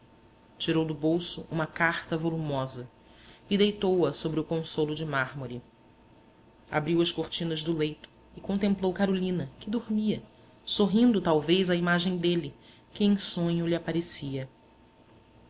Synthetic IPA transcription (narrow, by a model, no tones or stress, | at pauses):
t͡ʃiɾowd̪ʊbowsʊʔũmɐkaχt̪ɐvolumɔzɐ | ɪd̪ejt̪owɐsobɾɪʊkõsolʊd͡ʒɪmaɾmoɾi | a̰bɾiwɐskoɾt͡ʃĩnɐzd̪ʊlejt̪ʊ̥ | ɪkõnt̪ẽmplowkaɾolĩnɐkɪd̪oɾmiɐ | soɦĩnd̪ʊt̪awvejzɐimaʒẽj̃d̪elɪ | kɪẽj̃sõɲʊliapaɾesiɐ